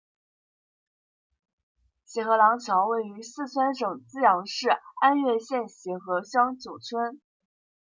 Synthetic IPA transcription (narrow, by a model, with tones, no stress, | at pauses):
ɕɛ˧˥xɤ˧˥lɑ˧˥ŋt͡ɕʰjɑ˧˥ʊwe˥˩ɪy˧˥sɹ̩˥˩t͡sʰwə˥nʂɤ˨˩ŋt͡sɹ̩˥jɑ˧˥ŋʂɻ̩˥˩a˥nɥɛ˥˧ɕjɛ˥˩nɕi˧˥xɤ˧˥ɕjɑ˥ŋt͡ɕjo˨˩ʊt͡sʰwə˥n